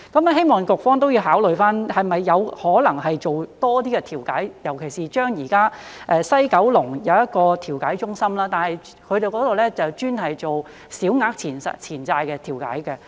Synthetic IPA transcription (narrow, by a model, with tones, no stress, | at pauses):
kɐ˨˥mɛ˥ɦe˥jmɔː˨ŋkʊ˨k̚fɔː˥ŋt̪o˥wjiː˧wɦaː˨˥wlɵ˨ɥfaː˥nhɐ˨jmɐ˨jːɐ˨˧whɔː˨˥lɐ˨˩ŋɦɐ˨jt͡ʃo˨wt̪ɔː˥t̪̬iː˥kɛ˧t̪ʰiː˨˩wkaː˨˥jjɐ˨˩wkʰe˨˩jsiː˨˩t͡ʃœː˥ŋjiː˨˩kaː˥ʔɛː˧sɐ˥jkɐ˨˥wlʊ˨˩ŋjɐ˨˧wjɐ˥t̚kɔː˧t̪ʰiː˨˩wkaː˨˥jt͡ʃʊ˥ŋsɐ˥mlaː˥t̪aː˨nhɐ˨j | kʰɵ˨˧ɥɾe˨jkɔː˨˥t̪o˨wlɛ˥t͡sɐ˨wt͡ʃyː˥nɦɐ˨jt͡ʃo˨w | siː˨˥wŋaː˧˥k̚t͡sʰiː˨˩nsɐ̰˨t͡sʰiː˨˩nt͡saː˧jkɛː˧t̪ʰiː˨˩wka̰ː˨˥jkɛ˧